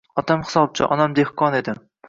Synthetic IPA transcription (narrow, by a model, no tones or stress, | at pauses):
ɒt̪ʰamhɪ̥sɒb̚t͡ʃʰɪ̰ʔɒ̰namd̪ehkʰɒne̞d̪ɪ